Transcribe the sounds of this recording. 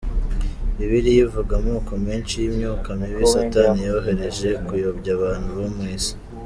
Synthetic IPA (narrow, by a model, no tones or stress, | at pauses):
iβiɾijivuɡamuːkomiːnʃijimɲuːkamiβisatanijoɦe̞ɾe̞ʒe̞kujobɟaβaːn̥huβomŋiːzi̥